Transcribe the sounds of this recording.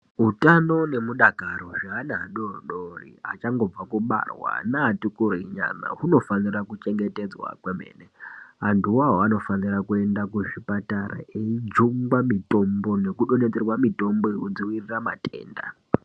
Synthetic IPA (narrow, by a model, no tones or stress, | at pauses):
ɦutano̞ne̞muɗaɡʱarwaʐaɦanaɦaɗorɗorḭɦa̰t͡ʃaŋɡo̞b͡vakuɓa̰rwa̰naːtukuɾiɲa̰na̰ɦuno̞fanirakut͡ʃe̞ŋɡe̞te̞d͡zwa̰kwemḛːneɦantuwaɦoano̞fanirakue̞ndakuʐipataɾa̰eid͡ʒuŋɡwamito̞mbo̞ne̞kuɗo̞net͡serwamito̞mboeud͡ziwiriramatʰʼḛːnda̰